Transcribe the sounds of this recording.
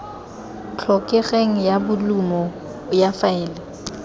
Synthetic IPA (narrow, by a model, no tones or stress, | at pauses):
t͡ɬʰɔkʼɛɣeŋ̩jabʊlumɔ | ʊjafaɛːlɛ